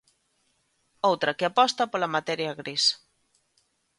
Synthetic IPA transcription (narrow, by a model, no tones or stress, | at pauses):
owt̪ɾɐkeapɔst̪ɐpolɐmat̪ɛɾjaɣɾis